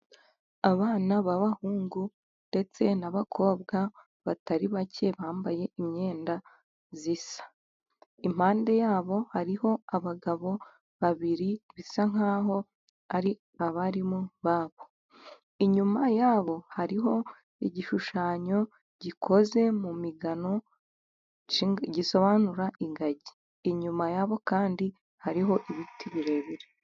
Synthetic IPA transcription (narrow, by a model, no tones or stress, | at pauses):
aβaːnaβaβahuːŋɡu | nde̞t͡se̞naβakʰo̞ːbɡa | βataɾiβacʰe̞βaːmbaje̞imɲe̞ːnda | zisḁ | im̥haːnde̞jaːβo̞haɾiho̞aβaɡaβo̞ | βaβiɾiβisaŋ̥aːɦo̞ | aɾi | aβaɾimuβaːβo̞ | iɲumajaːβo̞haɾiɦo̞ | iɟiʃuʃaːɲo̞ | ɟikʰo̞ze̞mumiɡano̞ | ɟiso̞βanuɾaʔiŋɡaɟi̥ː | ɲumajaβo̞kaːndi | haɾiɦo̞ʔiβitʰiβiɾe̞βiɾe